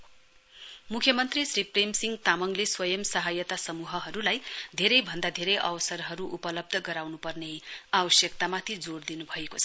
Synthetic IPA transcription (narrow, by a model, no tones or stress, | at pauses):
mukʰjʌmʌnt̪risripremsiŋɡt̪amʌŋleswʌjʌmsʌɦajʌt̪asʌmuɦʌɦʌɾulajd̪ʱeɾʌjbʱʌnd̪ad̪ʱeɾʌjʔʌ̰wʌsʌrɦʌɾuʔupʌlʌb̚d̪ʱʌɡʌɾawnupʌrneabʌsjʌkt̪amat̪ʰid͡zord̪inubʱʌekot͡sʰʌ̥